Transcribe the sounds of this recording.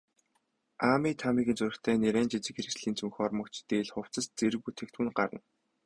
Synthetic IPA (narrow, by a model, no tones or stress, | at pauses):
aːmiːt̪ʰamiːɣɘ̆nt͡sʊɾɘ̆xt̪ʰæːneɾæːnt͡ɕit͡sɘ̆kxeɾɘ̆sɮiːnt͡sɵŋxʲɔrmə̆kt͡ɕt̪eːɮχʊw̥t͡sə̆st͡seɾɘ̆ɣut̪ʰĕkt̪wɘ̆nɢaɾə̰̆n